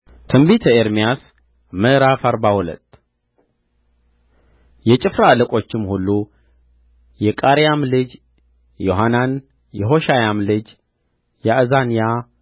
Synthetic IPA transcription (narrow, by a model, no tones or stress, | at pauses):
t̪ʰɨmbit̪ʰəeɾmijas | məɾafaɾbahulə̰t̪ː | jɛt͡ʃʼɪfɾaləkʼo̞t͡ʃːɪmhulːu | jɛkʼaɾjamlɨd͡ʒ | joɦanan | jɛɦo̞ʃajamlɨd͡ʒ | jɛʔɨzanija